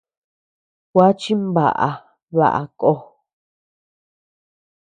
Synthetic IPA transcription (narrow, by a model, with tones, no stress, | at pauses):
kʷwa˦t͡ʃi˦mba̰˨ʔa̰˨ | βa̰˨ʔa̰˨ko˦